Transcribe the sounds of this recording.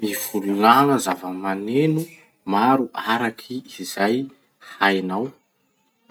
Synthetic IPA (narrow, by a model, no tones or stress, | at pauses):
miv̥ululanəzavəmanenu | maɾuʔaɾakʰiiz̥aj | hajnaw